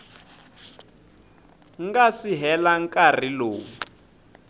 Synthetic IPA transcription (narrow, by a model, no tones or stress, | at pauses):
ŋɡasiɦɛlaŋkʼar̤iloːŋu